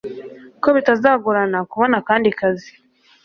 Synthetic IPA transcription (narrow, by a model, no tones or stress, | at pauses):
ko̞βitazaːɡuɾanakuβo̞nakaːndikazi